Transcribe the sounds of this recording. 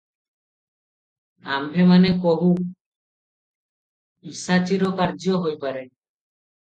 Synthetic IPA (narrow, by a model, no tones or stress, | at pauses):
a̰mbʱemanekoɦu | isat͡ʃiɾɔkaɾd͡ʒɔɦojpaɾe